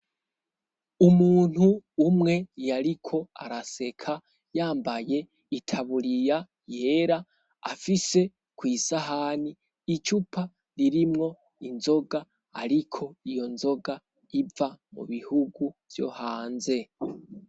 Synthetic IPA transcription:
umuːn̥huːmŋe̞jaɾikʰo̞a̰ɾase̞kʰa | jaːmbaje̞ | itʰaβuɾija | je̞ɾa | afise̞ | kwiːsaɦaːniː | t͡ʃupʰa | ɾiɾimŋo̞ | inzo̞ɡa̰ː | ɾikʰo̞ijo̞nzo̞ɡa | ivamṵβihuɡuv̥jo̞̰haːnze̞

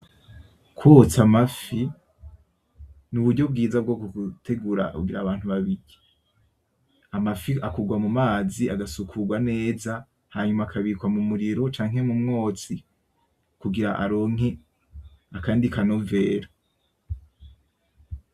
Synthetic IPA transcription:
kʰwot͡samafi | nuβudɟo̞b̚ɡiːzabɡo̞ːkoɡutʰe̞ɡuɾa̰ṵɡiɾaβaːn̥huβaβiɾi | amafiakuɡwamumaːziaɡasukʰuɡwane̞ːza | haɲumaːkʰaβikwamumuɾiɾo̞t͡ʃaːŋɦe̞mumŋo̞ːt͡si | kuɡiɾaʔa̰ɾo̞ːŋ̥e | akaːndikʰano̞ve̞ːɾo

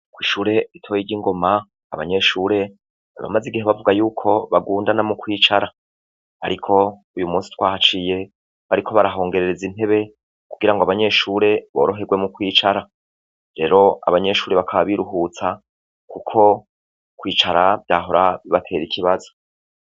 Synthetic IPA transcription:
kwiːʃuːɾe̞itʰoːjiɟiŋɡo̞ma̰ː | βa̰ɲe̞ʃuːɾe̞̰ | βa̰maziɡiɦeβavuɡajuːkʰo̞βaɡuːndanamukwiːt͡ʃaɾa | aɾikʰo̞ujumuːnsi̥twaːhat͡ʃije̞ | βaɾikʰo̞βaɾaɦo̞ːŋɡe̞ɾe̞ɾezin̥ɦe̞βe̞ | kuɡiɾaŋɡoaβaɲe̞ʃuːɾe̞βo̞̰ɾo̞ɦe̞ɡwe̞mukwiːt͡ʃaɾa | ɾe̞ːɾo̞a̰βaɲe̞ʃuːɾe̞βakʰaβaβiɾuɦut͡sa | kukʰo̞ | kwiːt͡ʃaɾavjaːɦo̞ɾaβiβatʰe̞ːɾikʰiβazo̞

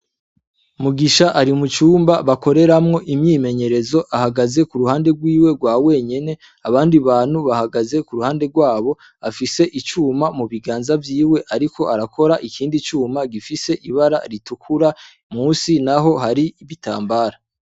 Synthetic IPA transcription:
umuɡiʃaʔaɾimut͡ʃuːmbaβako̞ɾe̞ɾamŋo̞ʔimɲiːme̞ɲe̞ɾe̞zo̞ʔahaɡaze̞kuɾuhaːnde̞ɡwiːwe̞ɡwaːwe̞ːɲe̞ne̞ | aβaːndiβaːn̥huβahaɡaze̞kuɾuhaːnde̞ɡwaːβo̞ | afise̞ʔit͡ʃuːmamuβiɡaːnzavjiːwe̞ʔaɾikʰo̞ʔaɾakʰo̞ɾaʔikiːndit͡ʃuːmaɡifise̞ʔiβaɾa̰ɾitukʰuɾa | mŋuːsinaɦo̞ɦaɾiːβita̰ːmbaːɾa

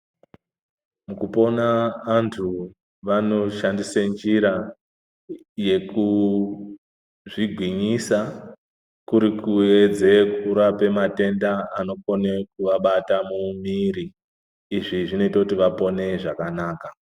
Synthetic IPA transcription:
mukupo̞naːntʰu | ʋano̞ʃandisend͡ʒiɾa | je̞ku | ʐiɡʱwiɲisa | kuɾikue̞d͡zekuɾape̞mate̞ndaːno̞ko̞ne̞kuʋaɓatamumiɾiː | ʐiʐino̞itakutiʋapo̞ne̞ʐakanaːka

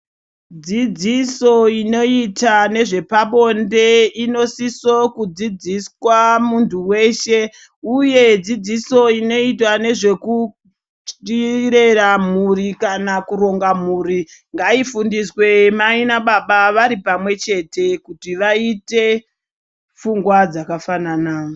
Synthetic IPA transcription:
d͡zid͡ziso̞ino̞itane̞ʐe̞paɓo̞nde̞ino̞siso̞kud͡zid͡ziswamuntuwe̞ːʃe̞ | uje̞d͡zid͡ziso̞ino̞itwane̞ʐe̞ku | iɾe̞ramurikanakuɾo̞ŋɡamuːɾiŋɡaifundiswe̞mainaɓaɓaʋaɾipamwe̞t͡ʃe̞te̞kutiʋaite̞ | fuŋɡwad͡zakafananaːo

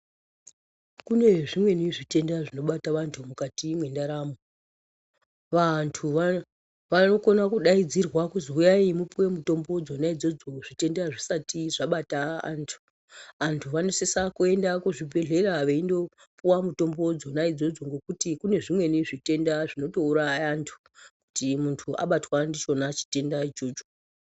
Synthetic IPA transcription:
kune̞ʐimwe̞niʐite̞ndaʐino̞ɓataʋantʰumukatimwe̞ndaɾaːmo | ʋantʰuʋa | ʋano̞ko̞nakuɗaid͡zirwakuziujaimupuwe̞muto̞mbo̞d͡zo̞naid͡zo̞d͡zo̞ʐ̥ite̞ndaʐisatiʐaɓataa̰ːntʰu̥ | ʋantʰuʋano̞sesakue̞ndakuʐibʱe̞ɮe̞raʋeindo̞ | puwamuto̞mbo̞d͡zo̞naid͡zo̞d͡zo̞ŋɡo̞kutikune̞ʐimwe̞niʐite̞ndaʐino̞to̞uɾajantʰu̥ | ku̥timuntʰuʔa̰ɓatwandit͡ʃo̞nat͡ʃi̥te̞ndat͡ʃoːt͡ʃ

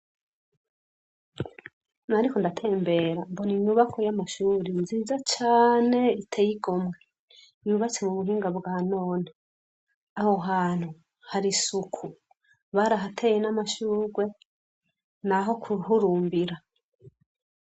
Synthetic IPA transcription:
naɾikondatʰe̞ːmbe̞ɾamboniɲuβakʰojamaʃuːɾinziːzat͡ʃaːne̞itʰejiɡo̞mŋe | ijuβat͡semuβuɦiːŋɡabɡaːnoːne | aho̞ɦaːn̥hu | haɾisukʰu | βaɾaɦatʰe̞ːjenamaʃuːɾɡwe̞ | naɦo̞kʰuɦuɾuːmbiɾa

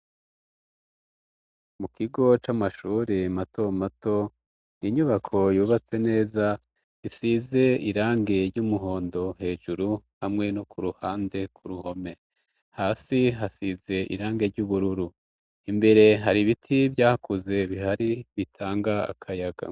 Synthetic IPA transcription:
mukʰiɡo̞t͡ʃamaʃuːɾimato̞mato̞ | niɲuβakʰo̞juːβat͡se̞ne̞ːza | isize̞iɾaːŋɡe̞ɾɟumuɦo̞ːndo̞ɦe̞ːʒuɾuhamŋe̞nokʰuɾuhaːnde̞kʰuɾuho̞me̞ | haːsiɦasize̞ʔḭɾaːŋɡe̞ɾɟuβuɾuɾu | imbe̞ɾe̞ɦaɾiβitʰibjaːhakuze̞βiɦaɾiβitʰaːŋɡaa̰kʰajaɡa̰

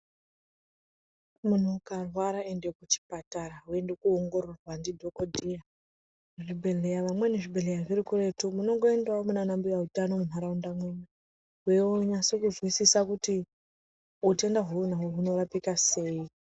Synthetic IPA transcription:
mun̤ukarwaɾaende̞kut͡ʃi̥pataɾaɦue̞ndekuoŋɡo̞ɾo̞rwandidʱo̞kodʱija | uʐibʱe̞ɮe̞jaʋamwe̞neʐibʱe̞ɮe̞jaʐiɾikure̞tumuno̞ŋɡo̞endwamunanambijautano̞muɦaɾaundamweme | ɦweoɲasokuzwisisakuti | ute̞ndaɦuunaɦoɦuno̞rapikase̞i

